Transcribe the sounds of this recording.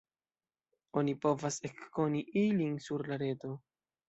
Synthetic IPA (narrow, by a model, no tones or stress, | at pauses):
o̞nipo̞vase̞kːo̞niʔilinsuɾlaɾe̞to̞